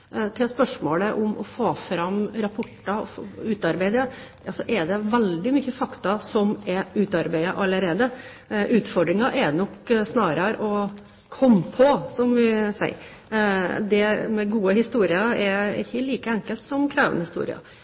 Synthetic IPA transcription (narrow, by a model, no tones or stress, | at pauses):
t̪ʰɪlspœʂmoːləʔʊmɔ̰foːfɾɑmɾɑpʰʊʈːɑɔfʉːt̪ɑɾbæɪd̪əʔɑlsɔʔɛɖ̪ɛʋɛld̪ɪmyçːəfɑkt̪ɑsɔmɛʉːt̪ɑɾbæɪɑʔɑlːəɾeːd̪ə | ʔʉːt̪fɔɖɾɪŋɑʔɛnɔksnɑːɾɑɾɔ | kʰɔmːpʰɔsɔmʋɪsæ̰ɪ | d̪ɛmɛɡuːəhɪst̪uːɾɪɑɛɪ̰çːəliːkəɛŋkəlt̪sɔmkʰɾæːʋənəhɪst̪ṵːɾɪ̰ɑ̰